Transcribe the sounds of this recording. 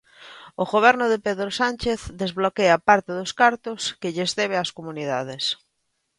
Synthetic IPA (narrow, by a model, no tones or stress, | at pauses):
ʊɣoβ̞ɛɾnʊðepeðɾosant͡ʃeθd̪ezβlokeapaɾt̪ɪðʊskaɾt̪ʊskɪʎezðɛβ̞easkomuniðaðes